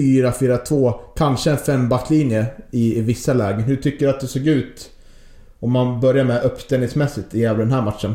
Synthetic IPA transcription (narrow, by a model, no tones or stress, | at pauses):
fyːɾafyːɾat̪ʰvoːkʰanʂəɛnfɛmːbakt̪ʰːlinjəɪɪvɪsːalɛːɡəɦʉʈ̪ʰʏkːəɾat̪̚d̪ɛsoːɡʉ̟ːt̪ | ɔmːanbœɾjaɾmɛʔœpːst̪ɛnɪŋsmɛsːɪt̪ɪjɛːd̪ɛnɦæːɾmat̪ːʂən